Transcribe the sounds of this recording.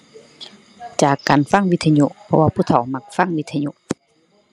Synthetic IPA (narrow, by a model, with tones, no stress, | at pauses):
t͡ɕaː˨˩kːaː˨nfa˧˥˩ŋwi˧˥t̪ʰːa˧ɲu˧˨ʔpʰɔ˧waː˧pʰuː˧˥˨t̪ʰa˨˩˦wma˧˩k̚fa˧˥˩ŋwi˧˥t̪ʰːa˧ɲu˧ʔ